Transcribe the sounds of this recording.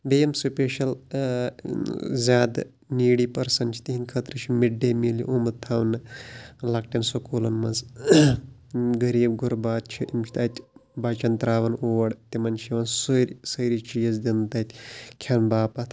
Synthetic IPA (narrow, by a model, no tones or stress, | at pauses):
bejɐmsupʲeːʃɐl | zʲaːd̪ | niːɽiːpɐɾsɐnt͡ʃʰi̥t̪iɦinʲkʰɐt̪ɾɨt͡ʃʰimiɖːeːmilḭʔomɐt̪ʰɐʋnɨlɐk̚ʈɐnsokoːlɐnmɐnz | ɡɐɾiːb̚ɡuɾbaːt̪̚t͡ʃʰiimt͡ʃʰt̪ɐːt̪ʲʰbat͡ʃɐnt̪ɾaːʋɐnoːʋɐɽt̪imɐnʃiʋɐnsuɾsɐjɾit͡ʃijɐzd̪int̪ɐːt̪ʲkʲʰɐnbaːpɐt̪ʰ